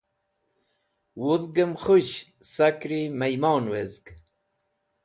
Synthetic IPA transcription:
wuðɡəmχuɕ | sakɾimajmɑːnwezɡ

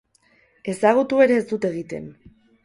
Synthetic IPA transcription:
e̞saɣ̞ut̪ue̞ɾe̞ːzd̪ut̪e̞ɣ̞it̪e̞̰n

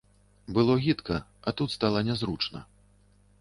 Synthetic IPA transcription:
bɨlˠɔɣʲit̪kɐɐt̪ut̪st̪alˠɐnʲɛzɾut͡ʂnɐ̰

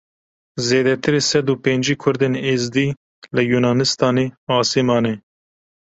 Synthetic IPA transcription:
zeːd̪ɛt̪ʰɨɾeːsɛd̪uːpeːnd͡ʒiːkʰʊɾd̪eːneːzd̪iː | lɨjuːnɑːnɨst̪ɑːneːɑːsemɑːne

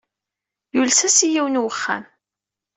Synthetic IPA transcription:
julsæsijiwnwəχːa̰m

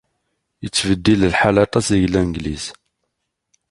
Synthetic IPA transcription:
jət͡sːvəd̪ːillħalɑt̪ˤɑsiʝlænɡlis

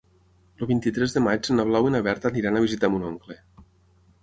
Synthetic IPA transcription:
loβint̪it̪ɾɛzðəmat͡ʃsenaβlawinaβɛɾt̪aniɾanəβizit̪amunoŋkle

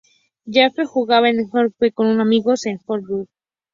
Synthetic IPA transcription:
d͡ʒefexuɣaβaenxoɾ̚bekonunamiɣosenxoɾbut

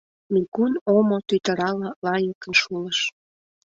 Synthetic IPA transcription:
mikunomot̪yt̪əɾɑlɑlɑjəkə̆nʃuləʃ

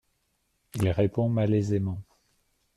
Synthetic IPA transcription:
ilʁepɔ̃malɛzemɑ̃

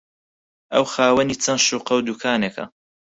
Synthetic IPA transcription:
ʔɐwxaːwɐniːt͡sʰɐnʃuːqɐwd̪ukʰaːnekʰɐ̰

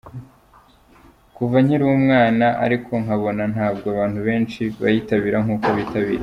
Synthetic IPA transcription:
kuvaɲiɾuwumŋaːnaʔa̰ɾikʰo̞ŋaβo̞nan̥haːbɡoaβaːn̥huβe̞ːnʃiβa̰jiːtaβiɾaŋuːkoβitaβḭɾa

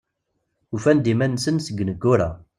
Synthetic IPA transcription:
ufænd̪imænsənsəɡnəɡːʊɾa̰

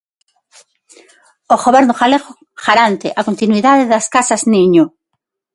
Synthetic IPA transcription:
oɣoβɛɾnoxaleɣo | xaɾant̪eʔakont̪inwiðaðeðaskasazniɲo

